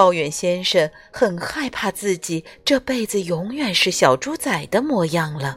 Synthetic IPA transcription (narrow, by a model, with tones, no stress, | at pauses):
ɑ˥˧ʊjɥɛ˨˩nɕjɛ˥nʂə˧˩n | xə˨˩nxa˥˧ɪpʰa˥˧t͡sɹ̩˥˩t͡ɕi˨˩ʈ͡ʂɤ˥˧pe˥˩ɪd͡zɹ̩˨˩jʊ˧˥ŋɥɛ˨˩nʂɻ̩˥˩ɕjɑ˨˩ʊʈ͡ʂu˥t͡sa˨˩ɪd̪ə˦mwɔ˥˧jɑ˥˩ŋlə˩